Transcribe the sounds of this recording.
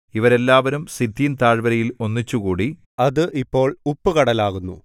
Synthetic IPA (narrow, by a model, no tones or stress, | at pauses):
iʋɐɾe̞lːaːʋɐɾumsid̪ːijnt̪aːɻbɐɾɐjilo̞nːit͡ɕːukuːɽi | ɐðɨʔipːo̞ːɭupːɨkɐɽɐlaːɣunːṵ